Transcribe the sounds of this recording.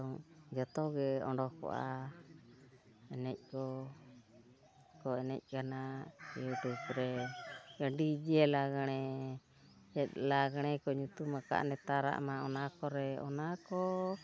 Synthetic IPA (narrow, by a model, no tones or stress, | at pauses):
ɔŋd͡ʒɔt̪ɔɡɛɔɳɖɔkɔ̰ʔa̰ | ɛnɛc̚kɔ | kɔɛnɛ̰c̚kanajut̪ukɾɛd͡ʒəɖid͡ʒiɛlaɡaɽ̃ɛ | ɛt̪̚laɡaɽ̃ɛkɔɲut̪umaka̰ʔnɛt̪aɾa̰ʔmaɔnakɔɾɛɔ̰nakɔ